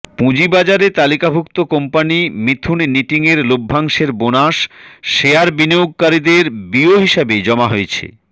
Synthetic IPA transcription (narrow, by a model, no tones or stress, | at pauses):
pũd͡ʑibad͡ʑaɾet̪alikabʱukt̪okompanimit̪ʰunːiʈiŋeɾlobʱːaŋʃeɾbonaʃʃeaɾbinioɡ̚kaɾid̪eɾbioɦiʃabed͡ʑɔmaɦoet͡ɕʰḛ